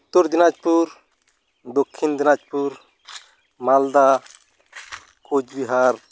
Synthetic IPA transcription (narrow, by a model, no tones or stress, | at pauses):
t̪ːuɾd͡ʒinad͡ʒpuɾ | d̪okʰːind̪inad͡ʒpuɾ | mald̪a | kud͡ʒbiɦaɾ